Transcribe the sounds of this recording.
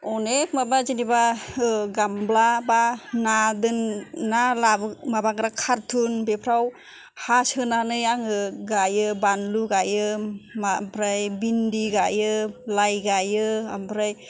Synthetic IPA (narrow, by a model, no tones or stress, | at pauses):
ɔnekmabazinibaɯɡamblabanadɯnːalabmabaɡɾakʰaɾtʰunbepʰɾaw | hasɯnanɯjaŋɯɡajɯbanluɡajɯmampʰɾajbindiɡajɯlajɡajɯa̰mpɾaj